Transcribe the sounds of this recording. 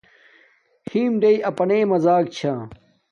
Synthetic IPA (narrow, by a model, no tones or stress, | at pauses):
hiːmɖejɐpɐneːmɐzaːk̚t͡ɕʰaː